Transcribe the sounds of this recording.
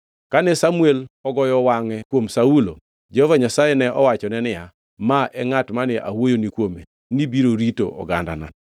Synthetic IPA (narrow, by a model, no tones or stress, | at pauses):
kanɛsamuelɔɡɔjɔwaŋɛkwomsaulo | d͡ʒehovaɲasajɛnɛʔɔwat͡ʃɔnɛnɪja | maʔɛŋatmanɪʔa̰wojonikwome | nibiɾoɾito̰ʔɔ̰ɡa̰nda̰na̰